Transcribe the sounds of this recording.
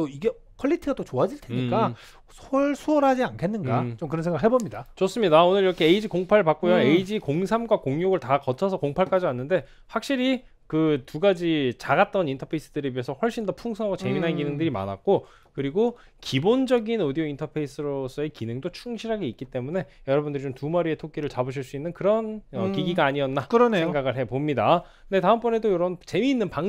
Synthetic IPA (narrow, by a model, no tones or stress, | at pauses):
toiɡe̞ | kʰʌʎːitʰɯɡat͈ot͡ɕoad͡ʑiɭtʰenik͈a | sʰʌɭsʰuʌɾɦad͡ʑiankʰe̞nːɯnɡat͡ɕomkɯɾʌnsʰeɡaɯɭɦebomɲidat͡ɕos͈ɯmɲidaonɯɾiɾʌkʰe̞eid͡ʑikoŋpʰaɭpak͈ojoeid͡ʑikoŋsʰamɡwakoŋjoɡɯɭtakʌt͡ɕʰʌsʰʌkoŋpʰaɭk͈ad͡ʑianːɯnde̞ | ɸwak̚ɕ͈iɾi | kɯtuɡad͡ʑit͡ɕaɡat̚t͈ʌnintʰʌpʰe̞is͈ɯdɯɾeɥiesʰʌɸwʌɭɕ͈indʌpʰuŋsʰʌŋaɡot͡ɕe̞minɦankinɯŋdɯɾima̰na̰k̚k͈o | kɯɾiɡo | kibond͡ʑʌɡinodiointʰʌpʰe̞is͈ɯɾos͈ʰʌe̞kinɯŋdot͡ɕʰuŋɕʰiɾɦaɡe̞ik͈it͈e̞mune̞jʌɾʌbundɯɾit͡ɕomtumaɾie̞tʰok͈iɾɯɭt͡ɕabɯɕ̬ʰiɭs͈uinːɯnkɯɾʌnʌkiɡiɡaːɲiʌnːakɯɾʌnesʰeŋɡaɡɯɭɦe̞pomɲida | nde̞taɯmp͈ʌne̞dojoɾʌbunt͡ɕe̞miːnːɯnpaŋ